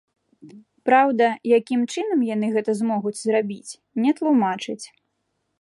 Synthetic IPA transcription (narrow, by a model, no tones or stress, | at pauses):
pɾawd̪ɐjakʲimt͡ʂɨnɐmjan̪ɨɣɛt̪ɐzmɔɣud͡zʲzrabʲit͡sʲ | nʲɛt̪lˠumat͡ʂɨt͡sʲ